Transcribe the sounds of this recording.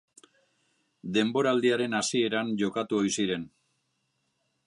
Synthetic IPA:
d̪e̞mbo̞ɾald̪iaɾe̞nasie̞ɾanʝo̞kat̪uo̞jsiɾe̞n

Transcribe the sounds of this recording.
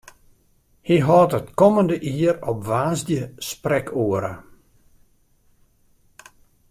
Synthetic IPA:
hiɦɔːtətkɔməndəʔiəɾɔpʋaːzdjəsprɛkʰuəɾə̰

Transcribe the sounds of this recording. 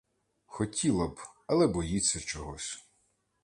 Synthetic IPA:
xɔtʲilˠɐbɐlˠɛbɔjit͡sʲːɐt͡ʃɔɦɔsʲ

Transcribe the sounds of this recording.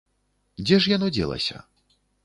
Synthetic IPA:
d͡zʲɛʂjanɔd͡zʲɛ̰lˠɐ̰sʲɐ̰

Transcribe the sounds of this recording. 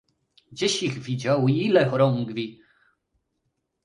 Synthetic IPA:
ɡd͡ʑeɕixvʲid͡ʑawilɛxɔɾɔŋɡvʲi

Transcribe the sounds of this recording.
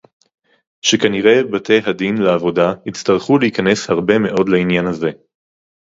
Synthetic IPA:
ʃekaniʁe̞batʰe̞jɦadinleavo̞dahit͡staʁ̞χuleikane̞shaʁbe̞me̞ʔo̞dleinjanhaze̞

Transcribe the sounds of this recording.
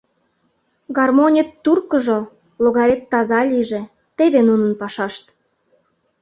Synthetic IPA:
ɡɑrmonʲet̪ːurkə̆ʒo | loɣɑɾʲet̪ːɑzɑlʲiʒĕ | t̪eβenunə̆npɑʃɑʃt̪

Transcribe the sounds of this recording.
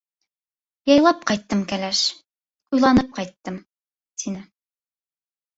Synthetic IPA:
jɑjlˠɑp̚qɑjt̪ːɤmkælæʃ | ujlˠɑnɤp̚qɑjt̪ːɤm | t̪ʰinɘ

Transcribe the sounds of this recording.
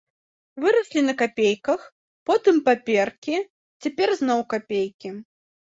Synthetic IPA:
vɨɾɐsʲlʲinɐkapʲejkɐx | pɔt̪ɨmpapʲɛrkʲi | t͡sʲapʲɛrznɔwkapʲejkʲi

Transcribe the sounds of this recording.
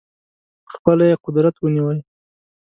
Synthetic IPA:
xpəlajeqʊd̪ɾat̪wəniwəl

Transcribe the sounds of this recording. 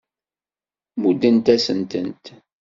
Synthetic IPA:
mud̪ənt̪æsənt̪ənt̪

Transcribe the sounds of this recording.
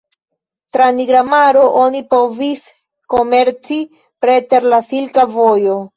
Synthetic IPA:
tɾaniɡɾamaɾo̞ʔonipo̞vis | ko̞me̞ɾt͡si | pɾe̞te̞ɾlasilkavojo̞

